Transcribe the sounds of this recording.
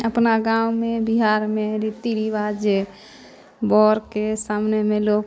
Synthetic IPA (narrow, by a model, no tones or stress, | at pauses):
əpnaɡawmebiɦaɾmeɾit̪iɾiʋad͡ʒe | bɔːɾkesaːmnemẽloːɡ